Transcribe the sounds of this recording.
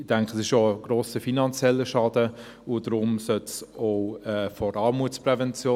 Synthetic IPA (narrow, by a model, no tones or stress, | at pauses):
d̥ɛŋkχsɪʃoəɡ̥ɾoːsəfinɑnt͡sjɛlːəʃɑːdə | ʊd̥ɾʊmsœtsoʊɛːfɔɾɑːɾmuːt͡sprɛvɛnt͡sjoː